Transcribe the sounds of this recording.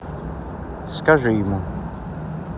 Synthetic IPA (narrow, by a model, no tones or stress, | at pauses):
skaʐɨjimu